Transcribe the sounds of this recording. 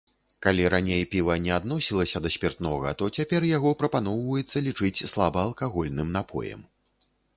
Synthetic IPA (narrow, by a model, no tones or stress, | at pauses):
kalʲiɾanʲejpʲivɐnʲɛad̪nɔsʲilˠɐsʲɐd̪ɐsʲpʲɛrt̪nɔɣɐ̰t̪ɔt͡sʲapʲɛrjaɣɔpɾɐpanɔwvɐjɛt̪sːɐlʲit͡ʂɨt͡sʲslˠabɐːlˠkaɣɔlʲnɨmnapʰɔ̰jɛ̰m